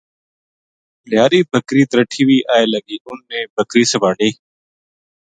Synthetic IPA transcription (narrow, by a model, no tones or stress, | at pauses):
ljaːɾiːbʱəkɾiːt̪ɾəʈʰiːwiːʔaːeːlɐɡiːunːẽːbʱəkɾiːsɐbaːɖeː